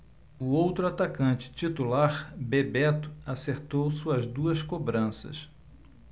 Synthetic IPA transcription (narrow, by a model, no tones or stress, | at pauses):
ʊowt̪ɾʊat̪akɐ̃nt͡ʃɪ̥t͡ʃit̪ulaɾbebɛt̪ʊ̥aseɾt̪owsuɐzd̪uɐskobɾɐ̃sɐ̰s